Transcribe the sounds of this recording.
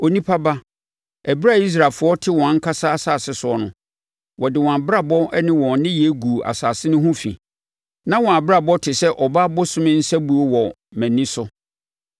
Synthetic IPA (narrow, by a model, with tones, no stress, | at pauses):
o˨nĩ˦pʰa˦ba˦ | æ˨bi˦ɾa˦˨i˦s̬ɾa˨fʊ˨˦ɔ˦tʰɪ˦wɔ̃˨ã˨˦ŋ̩˦kʰa˦sa˦a˦saː˨sɪ˦sʊ˨ɔ˨nʊ̰̃˨ | wɔ˨dɪ˨wɔ̃˨a˨ba˦˨bɔ˦ɛ˦nɪ̃˦wɔ̃˨nɪ̃˦jɛ˦ɡu˨a̰˨saː˨sɪ˦nʊ̃˦ɦʊ̃˦fḭ̃˨ | nã˦wɔ̃˨a˨bɾa˨bɔ˦tʰɪ˨sɛ˦ʔɔ˨ba˦bʊ˦sʊ̃˦mɪ̃˦n̩˦sæ˦bu˨ɔ˦wɔ˨ | mæ̃˨nĩ˦sʊ˦